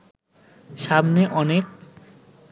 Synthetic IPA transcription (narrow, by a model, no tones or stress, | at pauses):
ʃamneʔɔnek̚